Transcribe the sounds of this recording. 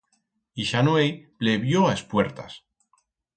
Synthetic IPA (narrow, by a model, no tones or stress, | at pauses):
iʃanwejpleβjoaespwe̞ɾt̪a̰s